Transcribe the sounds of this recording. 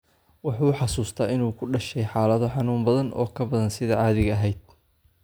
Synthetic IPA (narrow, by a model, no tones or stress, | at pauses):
wɑħuːħɑsuːst̪ʰɐɪnuːkʰʊɖɐʃɛjħaːlɐðɔħɑnuːmbɐðɐnʔɔ̰ːkʰɐbɐðɐnsɪðɐʕɑːðɪɣɐɦɛjd̪̥̚